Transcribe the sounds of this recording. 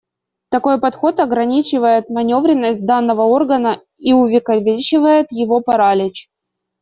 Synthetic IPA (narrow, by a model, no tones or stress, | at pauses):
t̪ɐko̞jpɐt̪xo̞t̪ɐɡɾɐnʲit͡ɕɪvəjɪt̪mɐnʲo̞vɾʲɪnːəsʲt̚ʲd̪anːəvəo̞rɡənə | iʊvʲɪkəvʲɪt͡ɕɪvəjɪt̪jɪvo̞pɐɾalʲɪt͡ɕ